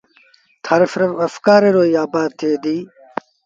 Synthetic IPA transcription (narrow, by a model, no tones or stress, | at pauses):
t̪ʰɐɾfɾɐfkaːɾeɾoːjaːbaːd̪̚t̪ʰeːd̪iː